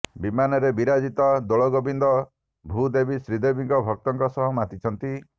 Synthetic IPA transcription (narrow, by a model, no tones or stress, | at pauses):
bimanɔɾebiɾad͡ʒit̪ɔd̪oɭɔɡobind̪ɔ | bʱud̪ebisɾid̪ebiŋkɔbʱɔk̚t̪ɔŋkɔsɔɦɔmat̪it͡ʃʰɔnt̪i